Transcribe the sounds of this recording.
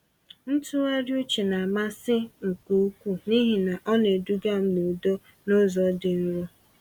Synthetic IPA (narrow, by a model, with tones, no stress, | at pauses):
n̩˦tʊ˦e˦ɾjʊ˦t͡ʃɪ˨na˨ma˦sɪ˦ŋ̩˨ku˨˦kʷu˦ni˦ɦi˨na˨ʔɔ˦ne˨du˦ɡa˦m̩˦me˨do˦ | no˦zɔ˨dɪ˨n̩˦ɾo˦